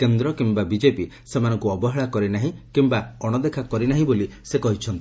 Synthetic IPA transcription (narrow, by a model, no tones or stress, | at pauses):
kend̪ɾɔkimbabid͡ʒepi | semanɔŋkuɔbɔɦeɭakɔɾinaɦĩkimbaɔɽ̃ɔd̪ekʰakɔɾinaɦĩbolisekɔɦit͡ʃʰɔnt̪i